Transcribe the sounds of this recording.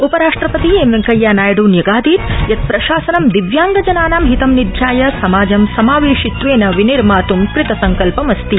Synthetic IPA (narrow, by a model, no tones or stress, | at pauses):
upɐɾaːʂʈɾɐpɐt̪ieːmʋeŋkɐjːaːnaːjɐɽuːnjɐɡaːd̪iːt̪jɐt̪̚pɾɐʃaːsɐnɐmd̪iʋjaːŋɡɐd͡ʒɐnaːnaːmɦit̪ɐmnid̪ʱjaːjɐsɐmaːd͡ʒɐmsɐmaːʋeːʂit̪ʋeːnɐʋiniɾmaːt̪umkɾɪt̪ɐsɐŋkɐlpɐmɐst̪i